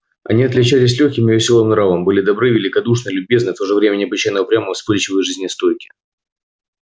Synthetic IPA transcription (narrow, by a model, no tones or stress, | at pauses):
ɐ̰nʲiɐt̪lʲɪt͡ɕælʲɪs̬ʲlʲɵxʲkʲɪmɪvʲɪsʲo̞lˠɨmnɾavəmbɨlʲɪd̪ɐbɾɨvʲɪlʲɪkɐd̪uʂ̬nɨlʲʊbʲe̞znɨft̪oʐɨvɾʲemʲɪnʲɪɐbɪt͡ɕajnəvəpɾʲaməvspɨlʲt͡ɕɪvəjʐɨzʲnʲɪst̪o̞jkʲɪ̥